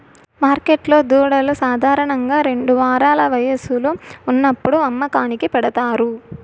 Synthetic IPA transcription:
maːɾkeʈlo̞ːd̪uːɽɐlusaːd̪ʱaːɾɐɳɐŋɡaːɾe̞ɳɖuʋaːɾaːlɐʋɐjɐsuluːnːɐpːuɽuɐmːɐkaːnikipɛɽɐt̪aːɾu

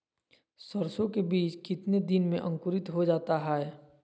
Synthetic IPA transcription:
səɾsõkebiːt͡ʃkɪt̪ned̪ɪnmẽʔɐ̃ŋkʊɾɪt̪ɦod͡ʒaːt̪aɦɛɦɛː

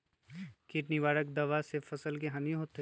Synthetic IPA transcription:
kɪʈniʋaːɽək̚d̪ɐʋasefɐsəlk̬eɦɐnjoɦot̪e

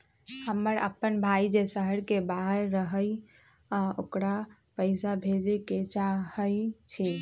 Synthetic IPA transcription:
həməɾə̰pːənbʱaid͡ʒesəɦəɾkebaɦəɾːəɦəj | okɾa | pəɪsabʱed͡ʒəket͡ʃahəjt͡ʃʰi

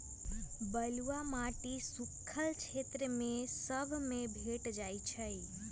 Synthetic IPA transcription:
bəlʋamaʈisukʰːəlt͡ʃʰet̪ɾəmẽsəbʱmẽbʱeʈd͡ʒajt͡ʃʰəj

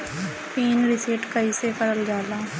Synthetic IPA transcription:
piːnɾɪseːʈkaisekəɾəld͡ʒaːlaː

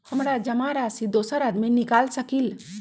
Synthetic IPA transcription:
həmɾad͡ʒəmaɾasid̪osəɾad̪minikalsəkil

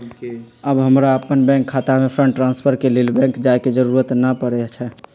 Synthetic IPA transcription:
əbɦəmɾaəpənbɛ̃ŋkʰːat̪amepʰɾə̃ɳʈːɾãnspʰəɾkelilbɛ̃ŋkd͡ʒaeked͡ʒəɾuɾət̪nəpəɽɛt͡ʃʰɛ

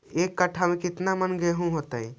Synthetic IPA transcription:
ekːəʈʰːamẽkɪt̪namənɡeɦũɦot̪ə̰j

